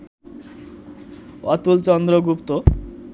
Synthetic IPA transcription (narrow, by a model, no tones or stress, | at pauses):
ʌt̪ult͡sʌnd̪ɾʌɡupt̪o